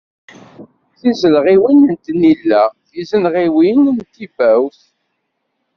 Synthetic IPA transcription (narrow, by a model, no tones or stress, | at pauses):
θizəlʁiwinənt̪nilːæθizənʁiwinənt̪ːibæwθ